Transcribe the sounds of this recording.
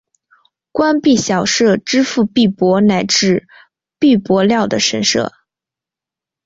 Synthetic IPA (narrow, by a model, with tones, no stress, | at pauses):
kwa˥npi˥˩ɕjɑ˨˩ʊʂɤ˥˩ʈ͡ʂɻ̩˥fu˥˧pi˥˩pwɔ˧˥na˧˥ɪʈ͡ʂɻ̩˥˩ | pi˥˩pwɔ˧˥ljɑ˥˩ʊd̪ə˩ʂə˧˥nʂɤ̰˥˩